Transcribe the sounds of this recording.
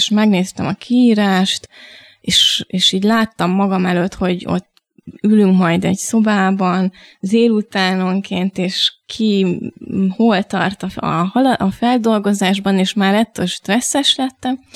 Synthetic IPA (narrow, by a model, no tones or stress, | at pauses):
ʃmɛɡneːst̪ɛmɒkʰiiːɾaːʃt̪ | eːʃeːʃiːɟlaːt̪ːɒmːɒɡɒmɛløt̪ho̞ɟo̞̰t̪ː | ylyŋkmɒjd̪ɛɟso̞baːbɒnzeːlut̪aːno̞ŋkeːnt̪eːʃkʰi | hoːlt̪ɒ̰rt̪ɒɒ̰ɦɒlɒfɛld̪o̞lɡo̞zaːʒbɒneːʃmaːɾɛt̪ːøːlʃt̪rɛsːɛʃlɛt̪ːɛm